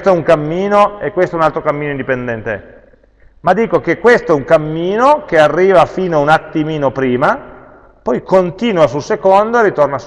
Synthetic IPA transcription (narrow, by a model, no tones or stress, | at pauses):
t̪oɛuŋkamːiːnoekːwest̪oɛunalt̪ɾokamːiːnoind̪ipend̪ɛnt̪eɛ | mad̪iːkok̟ekːwest̪oɛuŋkamːiːnok̟earːiːvafiːnoaunat̪ːimiːnopɾiːma | pɔjkont̪iːnwasulsekond̪oerːit̪ornas